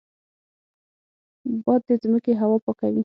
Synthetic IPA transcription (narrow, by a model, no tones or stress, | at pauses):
bɑd̪d̪əzməkeɦawɑpɑkawi